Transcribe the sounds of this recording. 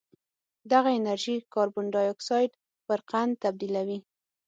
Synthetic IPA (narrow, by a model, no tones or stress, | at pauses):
d̪aɣaɪnaɾʒikɑɾbʊɳɖɑjɔksɑjɖ | pəɾqand̪̚t̪ab̚d̪ilawi